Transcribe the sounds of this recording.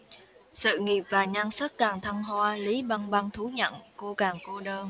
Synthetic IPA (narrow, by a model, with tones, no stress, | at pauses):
sɨ̰˧˨ŋi˨˩əp̚vaː˨˩ɲaː˧nsə˦˥t̚kaː˨˩ŋt̪ʰə˧ŋɦwaː˧li˨˦ɓa˧ŋɓa˧ŋt̪ʰu˨˦ɲə̰˧˨nko˧kaː˨˩ŋko˧ɗəː˧n